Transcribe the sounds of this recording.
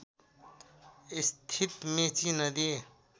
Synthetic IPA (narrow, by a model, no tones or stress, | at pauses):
ɪst̪ʰit̪mẽt͡ʃinɐd̪eː